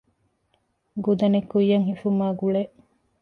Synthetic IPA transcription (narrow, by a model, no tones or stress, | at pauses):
ɡud̪ɐnekːujːɐŋhifumaːɡuɭeʔ